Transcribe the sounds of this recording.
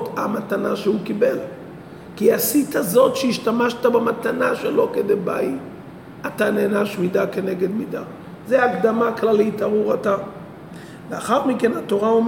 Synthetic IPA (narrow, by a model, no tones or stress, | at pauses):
tamatanaʃehukibel | kiasit̪azo̞tʃeiʃtamaʃt̪abematanaʃelo̞kedeba̰i | ataneːnaʃmidake̞neɡe̞d̪mida | zeaːkd̪amaklalitaʁuʁata | veaχaʁmikenato̞ʁaom